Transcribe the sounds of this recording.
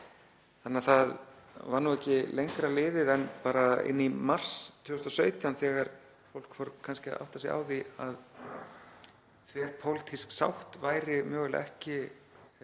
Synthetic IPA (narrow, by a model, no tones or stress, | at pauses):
θanɪaɾθaðvaɾnuɛhcːɪlejŋkɾalɪːðɪðɛnpaːɾaɪ̰nːimar̥st̪ʰːʏːʏst̪ɔsœːɥt̪jawnθɛɣaɾ | fowlkfowɾkʰːanscɪ̰a̰wht̪asia̰ːwðiað | θvɛːɾ̥pʰowlɪt̪ʰisksa̰wht̪vaːjɾɪmœːɣʏla̰ʔɛhcɪ